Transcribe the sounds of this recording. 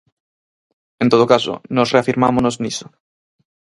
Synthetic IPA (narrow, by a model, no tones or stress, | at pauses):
ent̪oð̞okaso̰nosreafiɾmamonozniso